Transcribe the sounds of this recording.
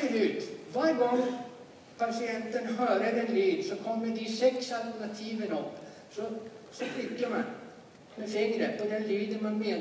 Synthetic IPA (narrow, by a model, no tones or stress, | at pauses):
əɾʉːd̪vaɾɡɔŋː | pʰasɪɛnt̪ənɦœːɾəd̪ɛnlyːd̪sɔkʰɔmːəd̪isɛksalt̪əɳat̪ʰiːvənɔpː | sɔsɔfɪkːəman | mɛfɪŋːɾəpɔd̪ɛnlyːd̪əmanmeːn